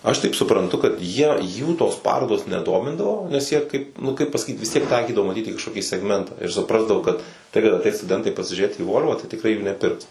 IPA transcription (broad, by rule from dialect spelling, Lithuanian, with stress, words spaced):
ˈɐʃ tɐɪp sʊprɐnˈtʊ kɐt ˈjiɛ ˈjuː toːs ˈpɑːroːdoːs nʲɛˈdoːmʲɪndɐʋoː nʲɛs ˈjiɛ ˈkɐɪp nʊ ˈkɐɪp pɐsɐˈkʲiːt ʋʲɪs ˈtʲiɛk ˈtɐɪkʲiːdɐʋoː ˈmɑːˈtʲiːt iː kɐʃkoːˈkʲiː sʲɛɡˈmʲɛntɑː ɪr sʊˈprɑːzdɐʋoː kɐt ˈtɐɪ kɐt ɐˈtʲɛɪs stʊˈdʲɛntɐɪ pɐsʲɪʒʲuːˈrʲeːt iː ˈʋoːlʲʋɐ tɐɪ tʲɪkˈrɐɪ juː nʲɛˈpʲɪrks